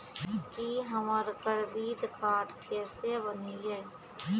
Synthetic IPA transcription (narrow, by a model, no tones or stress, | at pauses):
kiɦɐmaːɾkəɾbiːd̪kaːʈkɛːsebəniɦɛː